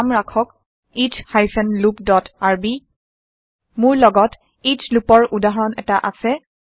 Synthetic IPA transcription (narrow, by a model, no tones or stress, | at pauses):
amɹakʰɔk | ithajfʰɛnlupdɔtaɹbi | mʊɹlɔɡɔt | itʰlupɔɹʔudaɦɔɹɔnɛ̰taʔasɛ